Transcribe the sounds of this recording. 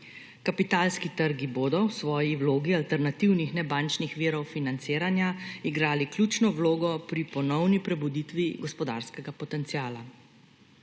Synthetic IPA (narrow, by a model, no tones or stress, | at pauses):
kapit̪aːlskit̪əɾɡiboːd̪ɔwsʋɔːjiwloːɡialt̪ɛɾnat̪iwnixnɛbant͡ʃnixʋiːɾɔwfinant̪seːɾanjaiɡɾaːlikljut͡ʃnɔwloːɡɔpɾipɔnɔwnipɾɛbud̪iːt̪ʋiɡɔspɔd̪a̰ːɾskɛɡapɔt̪ɛnt̪siaːla